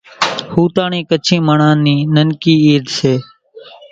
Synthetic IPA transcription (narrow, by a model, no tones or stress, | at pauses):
huːt̪aːɳĩːkət͡ʃʰĩːməɳãːniːnənkiːiːd̪seː